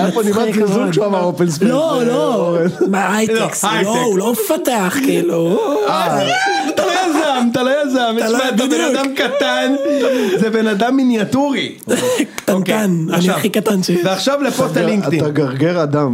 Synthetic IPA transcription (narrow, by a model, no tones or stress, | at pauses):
jponimaɡizulʃamaofelsblolomaajeksloulomfat̪eaχkilua | t̪alojazamt̪alojazamalt̪abenad̪amkat̪anzebenad̪amːinjat̪uʁi | kt̪ankananiaχikat̪anʃeveaχʃavlepot̪aliŋkt̪itːaɡaʁɡeʁad̪am